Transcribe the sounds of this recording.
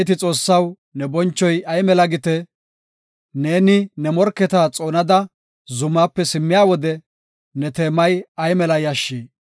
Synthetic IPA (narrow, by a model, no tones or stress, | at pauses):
t̪ɪt͡sʼo̞ːsːɐw | nɛbɔnt͡ʃːɔjɐjmɛlɐɡɪt̪ɛ | ne̞ːnɪnɛmɔɾkːɛt̪aːt͡sʼo̞ːnɐd̪ɐ | zʊmːaːpːɛsɪmːɪjaːwɔd̪ɛ | nɛt̪eːmɐjɐjmɛlɐjɐʃːeː